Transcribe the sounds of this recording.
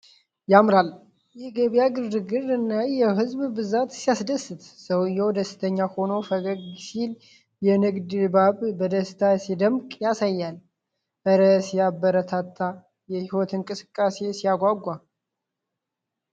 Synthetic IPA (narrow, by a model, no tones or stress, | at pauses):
jamɾal | jɛɡeβijaɡɨɾdɨɡɨɾɨnːajɛɦɨzbbɨzat̪sijasd̪əsɨt̪səwjɛwd̪əsɨ̥t̪ʰəɲːaho̞nofəɡəɡsil | jɛnɨɡd̪baβbəd̪əst̪ʰasid̪əmkʼjasajːal | bəɾəsjabːəɾət̪ʰat̪ʰːa | jɛhiwɔt̪ʰɨŋkʼɨsɨ̥kʼːase̞sijaɡʷaɡʷːa